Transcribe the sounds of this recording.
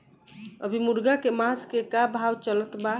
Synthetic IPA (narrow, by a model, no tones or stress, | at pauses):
əbʱimuɾɡakemaskekabʱawt͡ʃələt̪ba